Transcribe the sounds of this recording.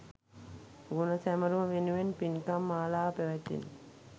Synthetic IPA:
ɡunɐsæmɐɾumɐʋenuʋenpinkamːaːlaːpeʋɛt̪ːḭn

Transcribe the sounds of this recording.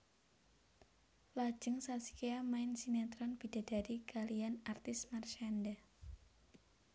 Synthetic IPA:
lḁd͡ʒ̥əŋsasi̥keamaɪnsinat̪ɾɔnb̥id̥a̤daɾikalianart̪ɪsmarʃanda

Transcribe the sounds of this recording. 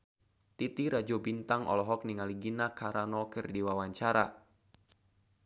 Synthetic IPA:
t̪it̪iɾad͡ʒɔbint̪aŋɔ̰lɔɦɔk̚niŋaliɡinakaɾanɔkɨrdiwawaɲt͡ʃaɾa̰

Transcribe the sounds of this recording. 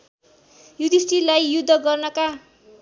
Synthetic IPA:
jud̪isʈilajjud̪ʱːʌɡʌrnʌka

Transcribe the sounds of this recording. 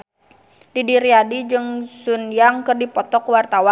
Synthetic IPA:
didiɾiadid͡ʒɨŋsunjaŋkɨrdipɔt̪ɔkwart̪awa

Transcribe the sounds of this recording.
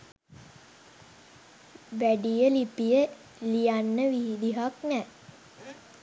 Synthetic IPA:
ʋæɖijəlipijə | lijanːəʋid̪iɦaknɛ

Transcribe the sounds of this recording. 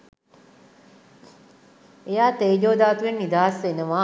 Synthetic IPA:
ejaːt̪eːd͡ʒoːd̪aːt̪uʋenːid̪aːsʋenəʋaː

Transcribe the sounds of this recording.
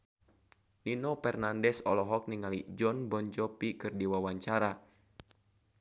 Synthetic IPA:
ninɔpɛrnandɛsɔ̰lɔɦɔk̚niŋalid͡ʒɔnbɔɲt͡ʃɔpikɨrdiwawaɲt͡ʃaɾa

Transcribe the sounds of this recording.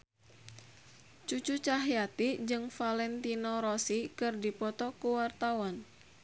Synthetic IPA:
t͡ʃut͡ʃut͡ʃaɦiat̪id͡ʒɨŋfalɛnt̪inoɾɔsikɨrdipɔt̪ɔkuwart̪awɔn

